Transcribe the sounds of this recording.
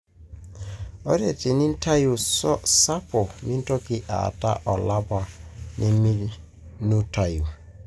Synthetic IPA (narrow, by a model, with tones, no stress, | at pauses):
ɔ˦ɾe˨ti˨ni˦n̩˦ta˦ju˨sɔ˦sa˦pɔ˨mi˦n˦tɔ˦kɪ˦ʔa̰˨ta̰˦ʔɔ˨la˦ba˨nʔi˦mi˦ | nu˦ta˦ju˨